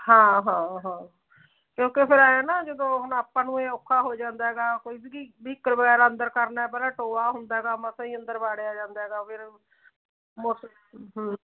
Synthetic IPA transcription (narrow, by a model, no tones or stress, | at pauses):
hãːɦãːɦãː | kjõːkepʰɪɾaːjaːnaːd͡ʒəd̪õːɦʊnaːpːãːnũːeːokʰːaːɦoːd͡ʒãːnd̪aːɦɛːɡaːkoːiːdiɡiːbiːkːəɾbəɡɛːɾənd̪əɾkəɾnaːɛːpɛːlaːʈoːaːɦʊnd̪aːɛɡaːmãːsãːĩːənd̪əɾbaːɽeaːd͡ʒãːnd̪aːɦɛːɡaːpʰɪɾ | mos | ɦ